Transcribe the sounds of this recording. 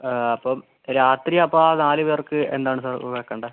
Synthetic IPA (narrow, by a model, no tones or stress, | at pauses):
ɐpːɐm | ɾaːt̪riɐpːoaːnaːlɨʋeːrkɨe̞̰nd̪aːɳɨsaːrʋɐɐkːɐɳɖɨ